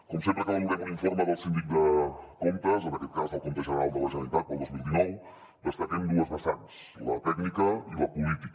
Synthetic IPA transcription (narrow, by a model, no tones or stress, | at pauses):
kɔmsempɾəkaβuɾamuniɱfoɾməðəlˠsind̪ik̚d̪əkomt̪əzənəkɛt̪̚kazðəlˠkont̪əʒənəɾalˠd̪ələʒənəɾit̪at̪̚pəlˠd̪ozmilˠd̪inɔw | bəst̪aɾend̪uəzβəst̪ans | lə̰t̪ɛknikəiləpulit̪ik